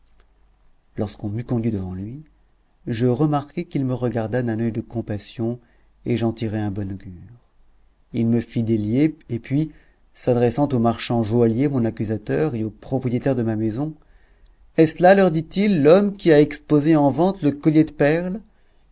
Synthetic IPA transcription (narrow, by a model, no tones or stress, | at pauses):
lɔʁskɔ̃mykɔ̃d̪ɥid̪əvɑ̃lɥi | ʒəʁəmaʁkɛkilməʁəɡaʁd̪ad̪ɛ̃nœjd̪əkɔ̃pasjɔ̃ | eʒɑ̃t̪iʁɛɛ̃bɔnoɡʲyʁ | ilməfid̪eljeepɥi | sad̪ʁesɑ̃t̪omaʁʃɑ̃ʒwaljemɔ̃nakyzat̪œʁeopχɔpχijet̪ɛʁd̪əmamezɔ̃ | ɛslalœʁd̪it̪ilːɔmkʲiaɛkspozeɑ̃vɑ̃t̪ləkɔljed̪əpɛʁl